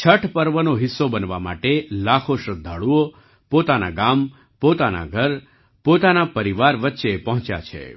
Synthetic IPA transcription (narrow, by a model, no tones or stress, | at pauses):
t͡ʃʰəʈʰpəɾʋənoɦɪsːobənʋama̰ʈelakʰoʃɾəd̪ʱːaɭuo | pot̪anaɡam | pot̪ana̰ɡʱəɾ | pot̪anapəɾiʋaɾʋətːʃepəɦɔ̃t͡ʃja̰t͡ʃʰḛ